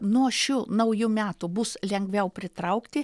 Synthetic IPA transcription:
nuɔʃʲuːnɐʊjʊmʲæːt̪ʊbʊslʲɛŋɡʲʋʲɛʊpʲɾʲɪt̪ɾɐʊkt̪ʲɪ

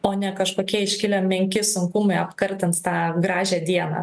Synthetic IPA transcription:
oːnʲɛkɐʃkoːkʲiɛɪʃʲkʲɪlʲɛmʲɛŋʲkʲɪsʊŋkʊmɐɪɐpkɐɾʲt̪ʲɛntst̪ɑːɡɾɑːʒʲæːd̪ʲiɛnɑ̰ː

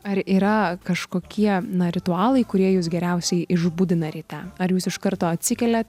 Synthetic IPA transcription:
ɐɾiːɾɐkɐʃkoːkʲiɛnɐɾʲɪt̪ʊɑːlˠɐɪkʊɾʲiɛjuːs̬ɡʲɛɾʲɛʊsʲɛɪɪʒbud̪ʲɪnɐɾʲiːt̪ʲæɐɾjuːsɪʃkɐɾt̪oːɐt̪ʲsʲɪkʲɛlʲɛt̪

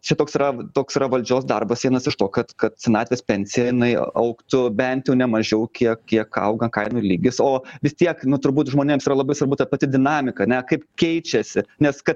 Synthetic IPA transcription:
t͡ʃʲɛt̪oːksiːɾɐt̪oːksiɾɐʋɐlʲd͡ʒʲoːsd̪ɐrbɐsʲiɛnɐsɪʃt̪oːkɐt̪kɐt̪sʲɪnɑːt̪ʲʋʲespʲɛnʲsʲɪjɛjɪnɐɪ̰ɐ̰ʊkt̪ʊbʲɛnt̪jɛʊnʲɛmɐʒʲɛʊkʲiɛkkʲiɛkɐ̰ʊɡɐkɐɪnʊːlʲiːɡʲɪsoːʋʲɪst̪ʲiɛknʊt̪ʊɾbuːt̪ʒmoːnʲeːmsiːɾɐlˠɐbɐɪsʋɐrbʊt̪ɐpɐt̪ʲɪd̪ʲɪnɑːmʲɪkɐɐnʲɛkɐɪpkʲɛɪt͡ʃʲɛsʲɪnʲɛskɐt̪

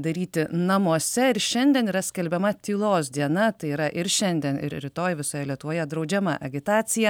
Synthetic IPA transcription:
d̪ɐɾʲiːt̪ʲɪnɐmuɔsʲɛɪɾʃʲɛnʲd̪ʲiɛniːɾɐsʲkʲɛlʲbʲɛmɐt̪ʲiːlˠoːsd̪ʲiɛnɐt̪ɐɪiːɾɐʔɪɾʃʲɛnʲd̪ʲiɛnɪ̰ɾɾʲɪt̪oːjʋʲɪsoːjɛlʲiɛt̪ʊʋoːjɛd̪ɾɒʊd͡ʒʲɛmɑ̰ʔɐɡʲɪt̪ɑːt̪sʲɪjɛ

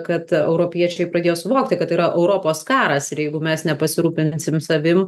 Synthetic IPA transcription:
kɐt̪ɛʊɾoːpʲiɛt͡ʃʲɛɪpɾɐd̪ʲeːjoːsʊʋoːkt̪ʲɪkɐt̪iːɾɐʔɛʊɾoːpoːskɑːɾɐsɪɾjɛɪɡʊmʲɛsnʲɛpɐsʲɪɾuːpʲɪnʲsʲɪmsɐʋʲɪm

